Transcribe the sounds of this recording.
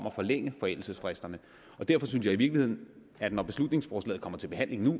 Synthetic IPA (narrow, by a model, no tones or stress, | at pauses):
m̰ɐfɒ̽leŋ̰əfɒ̽el̰l̩səsfʁesd̥ɐnə | ɒ̽d̥æɐ̰fɒ̽synsjɑ̈ɪiʋiɐɡ̥lihe̝ð̰ˠn̩ | æd̥nɒb̥e̝slud̥ne̝ŋsfɒːslɛ̰ːð̩ˠkɒ̽m̰ɐt͡sʰe̝lb̥e̝ɦæn̰le̝ŋnu